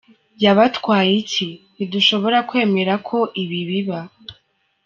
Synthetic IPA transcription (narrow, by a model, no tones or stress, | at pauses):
jaβatkwaːjicʰiniduʃo̞βo̞ɾakwe̞ːme̞ɾakʰo̞ʔiβiβiβa